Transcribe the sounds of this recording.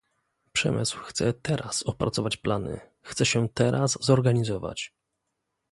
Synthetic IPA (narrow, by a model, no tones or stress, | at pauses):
pʂɛ̰mɘ̰swxt̪sɛt̪ɛɾʔasɔpɾat̪sɔvat͡ɕplanɘ̰ | xt̪sɛɕɛt̪ɛɾʔaszɔɾɡaɲizɔva̰t͡ɕ